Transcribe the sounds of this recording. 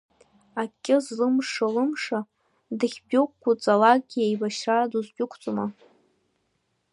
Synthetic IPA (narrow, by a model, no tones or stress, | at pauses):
akʲʼːɪzlɨmʂalɨmʂa | dɨχʲbʲʊkʷkʷːut͡sʼalak̚ʼɡʲiajbaʃraduzɡʲʼʊkʷʰt͡sʷʼoma